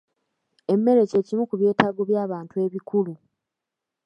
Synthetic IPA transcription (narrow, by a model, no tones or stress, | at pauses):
e̞mːe̞ɾe̞ce̞cimukuβje̞ːtaːɡoβjaːβaːntue̞ːβikulu